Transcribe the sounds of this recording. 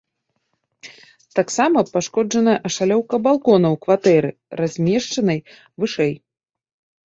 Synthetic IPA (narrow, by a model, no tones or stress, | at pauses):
t̪aksamɐpaʂkɔd͡ʐɐnɐjɐʔɐʂalʲɔwkɐbalˠkɔnɐwkvat̪ɛɾɨ | razʲmʲɛʂt͡ʂɐnɐj | vɨʂɛj